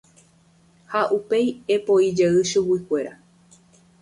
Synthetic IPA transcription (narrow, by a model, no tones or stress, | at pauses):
haʔupe̞jepoid͡ʒeɨʃuwikʷe̞ɾa